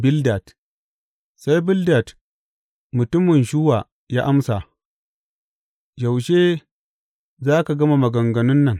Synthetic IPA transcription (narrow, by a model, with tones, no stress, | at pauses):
bɪ˦lda˨t | sa˦jbɪ˦lda˨t | mʊ˨tʊ˦mɪ˨nʃu˦wa˨ | ja˦ʔa˦msa˨ | d͡ʒa˨wʃeː˦ | zaː˦ka˨ɡɐ˦ma˨mɐ˨ɡɐ˨ŋɡɐ˨nʊ˦nːɐ˨ŋ